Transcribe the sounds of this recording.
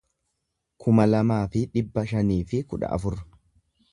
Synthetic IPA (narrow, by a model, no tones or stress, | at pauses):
kʰʊmɐlɐmaːfɪᶑɪbːɐʃɐniːfɪkʊᶑɐ̰ʔɐ̰fʊɾ